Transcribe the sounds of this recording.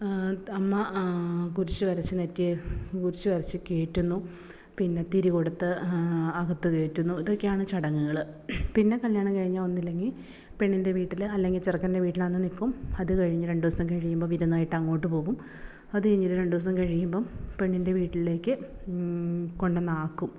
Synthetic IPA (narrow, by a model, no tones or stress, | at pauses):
ɐmːɐkuɾut͡ɕːɨʋɐɾɐt͡ɕːɨnetːikuɾut͡ɕːɨʋɐɾɐt͡ɕːɨke̞ːʈːunːu | pinːe̞t̪iɾiɣoɽɐt̪ːɨɐɣɐt̪ːuke̞ːʈːunːuiðo̞kːe̞jaːɳɨt͡ɕɐɽɐŋːuɣɐɭɨpinːe̞kɐljaːɳɐmkɐɻiɲːalo̞nːilːeŋɡil | pe̞ɳːinde̞ʋiːʈːilɐlːe̞ŋɡilt͡ɕirɐkːɐndeʋiːʈːilanːɨnikːumɐðɨkɐɻiɲːɨɐɾe̞ɳɖuʋɐsɐmkɐɻijumbo̞ːʋiɾunːɐaːjiʈːaːŋːo̞ːʈːɨpo̞ːʋum | ɐðɨɐɲːiɾuɾe̞ɳɖuʋɐs̬ɐmkɐɻijumbo̞ːpe̞ɳːinde̞ʋiːʈːille̞ːkːɨ | ko̞ɳɖɨnaːkːum